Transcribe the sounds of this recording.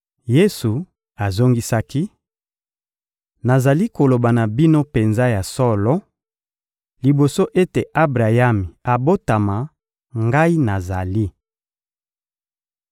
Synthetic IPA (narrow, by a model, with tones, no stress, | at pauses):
je˦su˨ | a˨zo˦ŋɡi˦sa˦ki˦ | na˨za˨li˦ko˨lo˨ba˨na˨bi˦no˦pe˨nza˦ja˨sɔ˦lɔ˦ | li˨bo˨so˦ʔe˦te˨ʔa˦bʁa˨ja˦mi˨a˨bo˦ta˨ma˨ | ŋɡa˦i˦na˨za˨li˦